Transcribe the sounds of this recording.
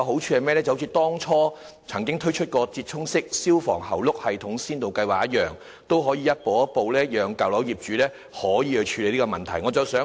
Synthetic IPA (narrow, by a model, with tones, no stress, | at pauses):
ɐ˧ɦo˨˥wt͡ʃʰyː˨˧hɐ˨jmɛː˥lɛ˥t͡sɐ˨ho˧˥t͡sʰiː˨t̪ɔː˥ŋt͡ʃʰɔː˥ | t͡sʰɐ˨˩ŋkɪ˥ŋt̪ʰɵ˥ɥt͡ʃʰɵ˥t̚kɔː˧t͡siː˧t̚t͡ʃʰʊ˥ŋsɪ˥k̚siː˥wfɔː˨˩ŋhɐ˨˩wlʊ˥k̚hɐ˨jt̪ʰʊ˨˥ŋsiː˥nt̪o˨wkɐ˧jwaː˨˩k̚ɐ˥t̚jœː˨˩ŋ | t̪o˥wɦɔː˨˥jiː˨jɐ˥t̚po˨wɐ˥t̚po˨wlɛː˥jœː˨ŋkɐ˨wlɐ˨˥wji˨p̚t͡ʃyː˨˥lɛː˥ | hɔː˨˥jiː˨˧hɵ˧t͡ʃʰyː˨˧le˨jliː˥kɔ˧mɐ˨nt̪ʰɐ˨˩jŋɔː˨˧t͡sɐ˨˩wsœː˨˥